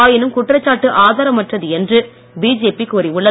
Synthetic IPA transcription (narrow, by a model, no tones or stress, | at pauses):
aːjɪnɯmkʊʈːrɐt͡ʃːaːʈːɯʔaːðaːɾɐmɐʈrɐðɯɛndrɯ | biːd͡ʒeːpikːoːɾiʊɭːɐ